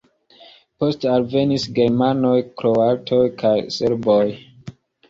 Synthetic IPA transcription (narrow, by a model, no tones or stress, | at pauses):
postalve̞nisɡe̞ɾmanojkɾoatʰojkʰajseɾboj